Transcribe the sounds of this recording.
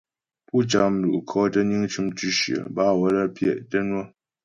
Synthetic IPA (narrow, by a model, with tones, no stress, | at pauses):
pu˦t͡ʃa˨m̩˨lu˨ʔkʰɔ˦tə˦ɲi˦ŋt͡ʃu˦mt͡ʃi˦ʃɥə̰˨ba˦˨wə˦lə˦pʰjɛ̰˦˨ʔtə˦nwə˦